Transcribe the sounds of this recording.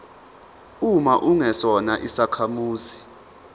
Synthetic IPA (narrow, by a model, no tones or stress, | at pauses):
umaʔuŋɛsɔnaʔisakʰamuːzi